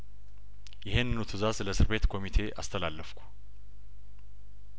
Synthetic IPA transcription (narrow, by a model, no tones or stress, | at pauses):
jɪhenːɨnut̪ʰɨzasɨləsɨɾbe̞t̪kʰo̞mit̪ʰe̞ʔa̰st̪ʰəlalːəfkʰu̥